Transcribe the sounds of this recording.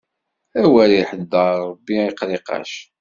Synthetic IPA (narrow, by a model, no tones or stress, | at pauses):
æwæɾiħəd̪ːɑɾɾˤəbːiiqɾiqɑ̰ʃ